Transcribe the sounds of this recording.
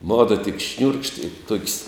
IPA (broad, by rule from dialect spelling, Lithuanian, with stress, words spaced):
ˈmoːdoː tʲɪk ʃʲnʲuːrkʃʲtʲ ɪ toːkʲsʲ